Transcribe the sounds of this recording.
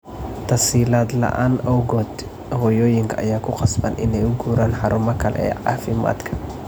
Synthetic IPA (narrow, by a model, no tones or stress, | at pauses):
t̪ʰɐsiːlaːd̪lɐ̰ʔa̰ːnɔwɡɔːd̪ | hɔːjɔːjɪŋkʰɐːjaːkʰʊqɑsbɐ̰nɪ̰nɛjʊɡuːɾaːnħɑɾʊmɐkʰɐlɛ̰ɛ̰ːʕɑ̰ːfɪma̰ːd̪kʰɐ̥